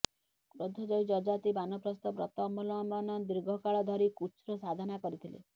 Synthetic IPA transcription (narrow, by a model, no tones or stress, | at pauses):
kɾod̪ʱɔd͡ʒɔjd͡ʒɔd͡ʒat̪ibanɔpɾɔst̪ɔpɾɔt̪ɔmulɔ̃manɔd̪iɾɡʱɔkaɭɔd̪ʱɔɾikut͡ʃɾɔsad̪ʱanakɔɾit̪ʰilḛ